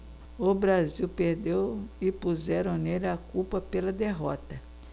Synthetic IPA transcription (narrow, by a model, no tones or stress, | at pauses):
ʊbɾaziwpeɾd̪ewɪpuzɛɾɐ̃w̃nelɪakupɐpelɐd̪eɦɔt̪ɐ